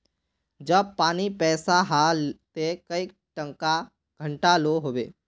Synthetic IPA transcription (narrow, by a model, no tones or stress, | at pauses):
d͡ʒəb̚paːnipɛːsaɦat̪ekəi | ʈə̃ŋka | ɡ̥ʱə̃ɳʈaloɦoːʋḛː